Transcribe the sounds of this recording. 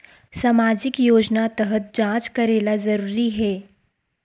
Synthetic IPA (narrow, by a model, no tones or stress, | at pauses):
saːmaːd͡ʒɪkjoːd͡ʒnat̪ɐɦət̪̚d͡ʒãːt͡ʃkɐɾeːlazɐɾuːɾiɦɛː